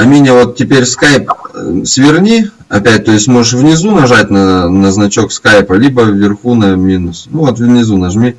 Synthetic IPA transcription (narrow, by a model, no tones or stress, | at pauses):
ɐmʲinʲəvo̞t̪̚tʲːɪpʲeɾʲskajpsvʲɪrnʲi | ɐpʲæt̚ʲt̪o̞jɪsʲtʲmo̞ʐɨʂ̬vnʲɪzunɐʐat̚ʲnɐnəznɐt͡ɕo̞kskajpəlʲibəvːʲɪrxunɐmʲinʊsnuvot̪vnʲɪzunɐʐmʲi